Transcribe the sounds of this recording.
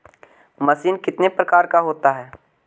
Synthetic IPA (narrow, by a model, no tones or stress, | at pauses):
mɐsiːnkɪt̪nepɾɐkaːɾkaɦoːt̪aɦɛː